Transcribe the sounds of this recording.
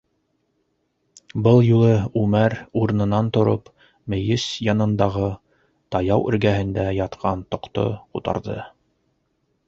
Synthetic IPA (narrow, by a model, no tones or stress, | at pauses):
bɤlˠjulˠɤʉmæɾuɾ̆nɤ̆nɑnt̪ŏɾop | mɘ̆jɘsjɑnɤ̆nd̪ɑʁɤ | t̪ɑjɑwʔɵ̆ɾɡæɦɘ̆nd̪æjɑt̪qʰɑnt̪ŏqt̪o̰qut̪ɑ̰ɾðɤ̰